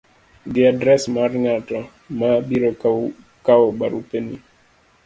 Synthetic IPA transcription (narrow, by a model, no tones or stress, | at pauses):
ɡɪadɾɛsmaɾŋatɔ | mabiɾɔ | kaɔba̰ɾupeni